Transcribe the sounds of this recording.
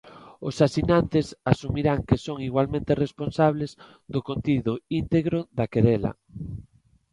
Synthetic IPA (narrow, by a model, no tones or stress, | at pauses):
ʊsasinant̪esasumiɾaŋkesoŋiɣwalmẽnt̪eresponsaβ̞lez | d̪okont̪iðʊint̪eɣɾoðakeɾɛla̰